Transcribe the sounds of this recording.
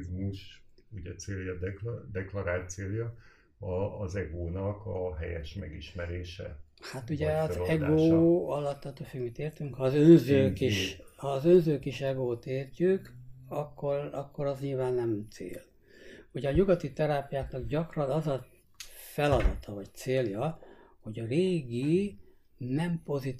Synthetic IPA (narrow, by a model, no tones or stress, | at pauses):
zmuʃ | uɟɛt̪seːljɒd̪ɛkld̪ɛklɒɾaːlt̪seːljɒ | ɒːzɛɡoːnɒkɒɦɛ̰jɛ̰ʃmɛɡiʃmɛɾeːʃɛ̰ | hat̪uɟɛɒzɛɡoːɒlːɒt̪ːɒt̪ːofykmit̪eːrt̪yŋkhɒːzønzøːkiʃhɒːzønzøːkiʃɛɡoːt̪eːrcykɒkːorɒkːo̞ɾɒzɲiːlvaːnːɛmt̪sḛːl | huɟɛɒɲuɡɒt̪it̪ɛɾaːpijaːknɒɡɟɒkrɒnɒzɒ | fɛlɒd̪ɒt̪ʰɒvɒct̪seːljɒho̞ɟɒreːɡi | nɛmpo̞zi